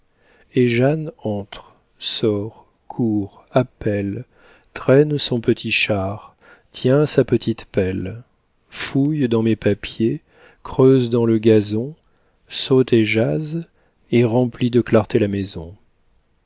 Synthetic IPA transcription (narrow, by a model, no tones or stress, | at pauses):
eʒanɑ̃t̪χ | sɔʁ | kʰuʁ | apɛl | t̪χɛnsɔ̃pət̪ʰiʃaʁ | t̪jɛ̃sapət̪ʰit̪pɛl | fujd̪ɑ̃mepapje | kχøzd̪ɑ̃ləɡazɔ̃ | sot̪eʒaz | eʁɑ̃plid̪əklaʁt̪elamezɔ̰̃